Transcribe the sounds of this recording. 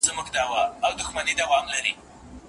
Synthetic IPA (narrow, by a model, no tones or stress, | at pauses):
zmuɡd̪ɑwaawd̪ʊxmanid̪awɑmlaɾi